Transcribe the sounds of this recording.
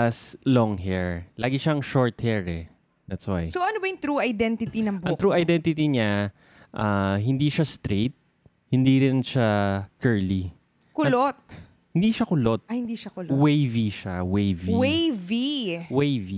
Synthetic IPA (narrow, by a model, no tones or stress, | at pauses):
ɐslɔŋhɛɹlaːɡɪʃaɐŋʃoɹt̪̚hɛɹɛ | d̪at̪swa̰jsoʔɐnobɐjʊŋt̪ɾuːɐjd̪ɛnt̪ɪt̪inɐŋbɐŋt̪ɾuːʔɐjd̪ɛnt̪ɪt̪iɲa | ʔaɦɪnd̪iːʃast̪ɾet̪̚ | hɪnd̪iːɾɪnʃakɛɹli | kʊlot̪̚ | hɪnd̪iːʃakʊlot̪̚ɐhɪnd̪iʃakʊlowejviʃawejviwejviwejvi